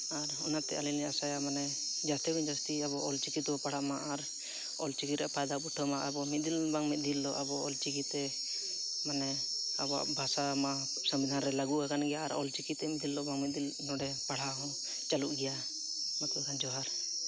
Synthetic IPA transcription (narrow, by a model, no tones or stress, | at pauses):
aɾɔnat̪ɛʔalilɛasajamanɛ | d͡ʒast̪ɛbuɲd͡ʒast̪iabɔʔɔlt͡ʃikit̪bɔpaɽ̤amaʔaɾ | ɔlt͡ʃikit̪ɾɛʔapajd̪abuʈʰəmaʔabɔmit̪̚d̪ilbaŋmit̪̚d̪ild̪ɔʔabɔɔlt͡ʃikit̪ɛ | manɛabɔa̰ʔbʱasama | səmbid̪ʱanɾɛlaɡuʔakanɡɛjaːɾɔ̰lt͡ʃikit̪ːɛmit̪d̪ilːɔbaŋmit̪̚d̪il | nɔɖɛpaɽ̤aɦɔ̃ | t͡ʃaluʔɡɛja | mat̪ukand͡ʒɔɦaɾ